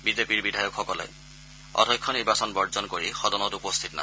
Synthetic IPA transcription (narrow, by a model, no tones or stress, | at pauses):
bizepiɹbidʱajɔkxɔkɔlɛ̰ | ɔ̰dʱɔjkʰːɔniɹbasɔnbɔɹzɔnkoɹixɔdɔnɔtupɔst̪ʰitna̰